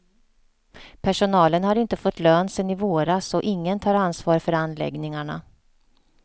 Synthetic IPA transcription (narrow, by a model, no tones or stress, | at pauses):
pʰæʂʊnɑːlənhaɾɪnt̪əfɔt̪ːløːnsɛnɪvoːɾasɔʔɪŋːənt̪ʰɑːɾansvɑːɾfœɾanːlɛ̰ɡnɪŋaɳa̰